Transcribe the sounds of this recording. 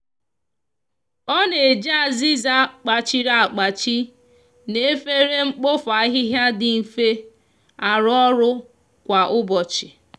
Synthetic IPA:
ɔ˦ne˨e˨d͡ʒa˦a˨zi˦za˦k͡pa˨t͡ʃi˨ɾa˨k͡pa˨t͡ʃi˦ | ne˦e˦fe˦ɾe˦ŋ͡m̩˦k͡pʊ˦fʊ˨a˨˦ɦɪ˦ɦja˦dɪ˨m̩˨fe˦ | a˨ɾɔ˦ɾʊ˦ | kʷa˨ʔʊ˦bɔ˨t͡ʃɪ˨

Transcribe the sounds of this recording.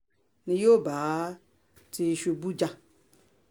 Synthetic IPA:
nɪ̃˦jo˦˨baː˨˦ | tʰɪ˦˨ʃu˨bu˦d͡ʒa˦

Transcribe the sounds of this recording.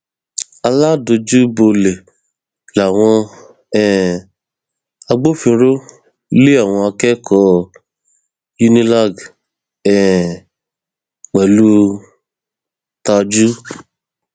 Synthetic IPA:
a˧la˦˨do˧d͡ʒu˦bo˧le˨ | la˨w̃ɔ̃˧ | ɛ˦˨ | a˧ɡ͡bo˦fĩ˧˦ɾo˦ | le˦a˦˨w̃ɔ̃˧a˧kɛ˦kʰɔ˧ | ju˦nĩ˦la˦˨ɡ | ɛ˨ | k͡pɛ˨lu˦ | ta˧d͡ʒu˦

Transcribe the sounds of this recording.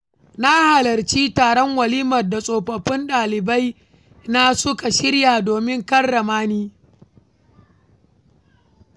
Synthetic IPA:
na˦ha˨lɐ˨rt͡ʃiː˦taː˨ɽɔ˦ŋwɐ˨liː˦mɐ˨rda˨sʼoː˨ɸɐ˨ɸɪ˦nɗaː˨lɪ˨ba˦j | na˦sʊ˦ka˨ʃɪ˦ɾja˨doː˨mɪ˦ŋkɐ˦rːɐ˨maː˦niː˦

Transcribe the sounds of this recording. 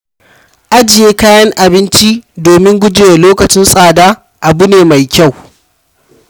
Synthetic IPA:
ʔa˦d͡ʒɪ˨jeː˦kaː˦jɐ˦ŋʔa˨bɪ˦nt͡ʃi˦doː˨mɪ˦ŋɡʷʊ˦d͡ʒe˦˨we˨loː˦kɐ˨t͡ʃɪ˦nsʼaː˨daː˦ | ʔa˨bʊ˦neː˨ma˨jkʲa˦˨w

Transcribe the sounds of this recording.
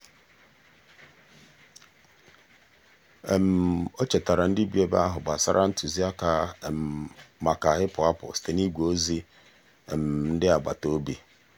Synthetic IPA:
e˨m̩˨o˦t͡ʃe˨ta˨ɾa˨n̩˦dɪ˦bi˦e˦ba̰˦ɦʊ˨ɡ͡ba˨sa̰˦ɾʔa˦n̩˦tu˨zi˦a˦ka˦˨m̩˨ma˨ka˨ɦɪ˦pʊ˨a˦pʊ̰˨ste˨ni˦ɡʷo˦zi˦ | e˨m̩˨n̩˦dɪ˦a˨ɡ͡ba̰˨to˦bi˨

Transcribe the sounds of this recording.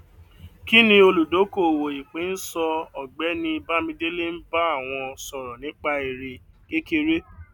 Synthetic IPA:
ki˦nĩ˧o˧lu˨do˨˦ko˦˨o˨wo˨i˨k͡pe˨˦n̩˦sɔ˧ɔ˨ɡ͡bɛ˨˦nĩ˧ba˦mĩ˧de˦le˦m̩˦ba˦a˦˨w̃ɔ̃˧sɔ˨ɾɔ˨nĩ˨˦k͡pa˦e˨ɾe˨ke˦ke˧ɾe˦

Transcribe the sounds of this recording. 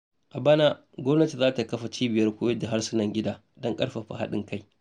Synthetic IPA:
ʔa˨baː˦naː˦ | ɡʷɔ˦mnɐ˦ti˨zaː˦ta˨kɐ˦ɸa˨t͡ʃiː˦bɪ˨jɐ˦rkʷoː˦jɛ˦da˨ɦa˦ɽsɪ˦nɐ˨ŋɡʲɪ˦daː˦ | dɔ˦ŋkʼɐ˦ɽɸa˨ɸa̰˨ha̰˦ɗɪ˦ŋka˦j

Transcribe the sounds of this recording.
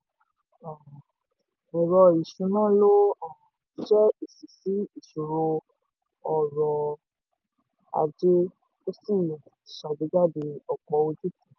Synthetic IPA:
a˨ | nĩ˨ɾɔ˧i˨ʃũ˧˦mã˦lo˦ɔ̃˦˨ʃɛ˦i˨si˨si˨˦i˨su˨ɾo˧ | ɔ˨ɾɔ˨ | a̰˧d͡ʒe˦ | o˦si˦˨lõ˨i̥˨ʃa˨d͡ʒe˨˦ɡa˦de˧ɔ˨k͡pɔ˧o˧d͡ʒi˦ti˨

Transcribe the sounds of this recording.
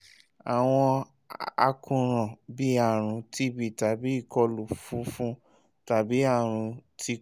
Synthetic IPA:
a˨w̃ɔ̃˧ | a̰˧kʰũ˧ɾ̃ɔ̃˨bi˨˦a˦˨ɾ̃ũ˨˧˦ti˧˦bi˨ta˨bi˨˦i˦˨kɔ˧lu˨fũ˨˦fũ˦ | ta˨bi˨˦a˦˨ɾ̃ũ˧ti˧

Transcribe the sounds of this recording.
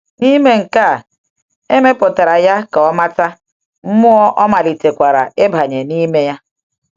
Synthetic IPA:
ni˦me˦ŋ̩˨ka˦˨ | e˦me˦pʊ˨ta˨ɾa˨ja˦kɔ˨ɔ˦ma˦ta˦ | m̩˦mʊ˦ɔ˦ʔɔ˦ma˨li˨te˨kʷa˨ɾa̰˨ʔe˦bʱa˨ɲe˨ni˦me˦ja˦

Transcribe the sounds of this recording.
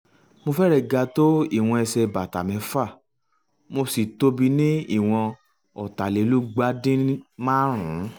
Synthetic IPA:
mo˧fɛ˦ɾɛ˦˨ɡa˧˨to˦i˦˨w̃ɔ̃˧ɛ˧sɛ˧ba˨ta˨mɛ̃˨˦fa˦˨ | mo˧si˨to˧˦bi˧nĩ˦i˦˨w̃ɔ̃˧ | ɔ˨ta˨le˨˦lu˦ɡ͡ba˦dĩ˦mã˦ɾ̃ũ˨˦

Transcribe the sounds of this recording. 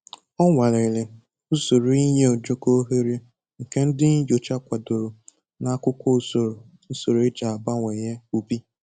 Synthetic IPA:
ɔ˦ŋʷa˨le˨le˨ | u˦so˨ɾo˨i˦ɲe˦o˨d͡ʒo˦ko˦ɦe˦ɾe˦ | ŋ̩˨ke˦n̩˦dɪ˦n̩˦jo˨t͡ʃa˦kʷa˨do˨ɾo˨ | na˦kʷʊ˦kʷo˦˨so˨ɾo˨˦so˨ɾo˨˦e˦t͡ʃa˨a˨ba˦ŋʷe˨ɲe˦u˨bi˦

